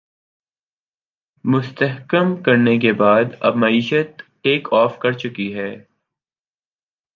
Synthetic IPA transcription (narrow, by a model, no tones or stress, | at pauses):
mʊst̪əɦkəmkɐɾnek̬ebaːd̪ɐ̰bmɐiːʃət̪ʈeːkɔːfkɐɾt͡ʃʊkiɦɛː